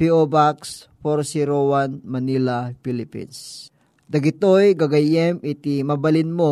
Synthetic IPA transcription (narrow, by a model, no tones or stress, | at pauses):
piobaks | foɾsiɾowanmɐnilapilɪpḭns | d̪ɐɡɪt̪ojɡaɡɐjɛmɪt̪imɐbɐlɪnmo